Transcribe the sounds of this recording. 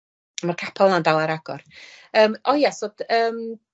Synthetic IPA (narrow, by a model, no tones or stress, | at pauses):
amarkʰapʰalˠnandalˠaɾaɡ̥ɔrəːmɔjasod̥əːm